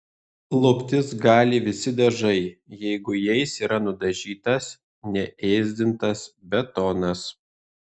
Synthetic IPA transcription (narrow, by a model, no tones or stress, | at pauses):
lˠʊpʲt̪ʲɪsɡɑːlʲɪʋʲɪsʲɪd̪ɐʒɐɪjɛɪɡʊjɛɪsiːɾɐnʊd̪ɐʒʲiːt̪ɐs | nʲɛʔeːzʲd̪ʲɪnt̪ɐsbʲɛt̪ɔːnɐs